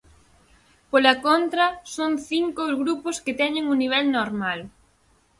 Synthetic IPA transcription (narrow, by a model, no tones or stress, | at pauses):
polɐkont̪ɾɐsoŋθiŋkozɣɾupʊskɪt̪ɛɲɪ̃ŋʊniβ̞ɛlnoɾmal